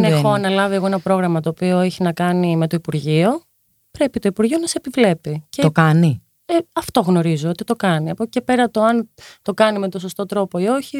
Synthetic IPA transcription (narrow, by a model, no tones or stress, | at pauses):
nexoɐnɐlɐvie̞ɣo̞enɐpɾo̞ɣɾɐmɐt̪o̞ːpio̞e̞çinɐkɐnime̞t̪o̞ipuɾʝio̞ | pɾe̞pit̪oipuɾʝio̞nɐseepivle̞picet̪okɐni | eɐft̪o̞ɣno̞ɾizoo̞t̪it̪o̞kɐniɐpocepe̞ɾɐt̪oɐnt̪o̞kɐnime̞t̪osost̪o̞t̪ɾo̞po̞io̞çi